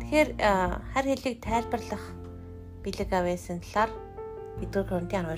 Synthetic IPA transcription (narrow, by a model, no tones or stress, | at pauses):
t̪ʰe̥xeːrχærxeɮiːk̚t̪ʰæːɮpə̆rɮə̆χ | piɮɘ̆kawæːsə̆nt̪ɮaːr | pet̪̚ɡɘ̆ːrxʰɵn̥t̪iːŋarʊː